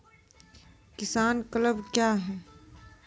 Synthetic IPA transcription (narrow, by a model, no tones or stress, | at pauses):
kɪsaːnkələbkjaːɦɛː